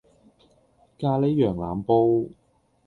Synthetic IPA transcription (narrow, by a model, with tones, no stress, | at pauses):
kaː˧le˨˥jːœː˨˩ŋla̰ː˨˧mpo˧w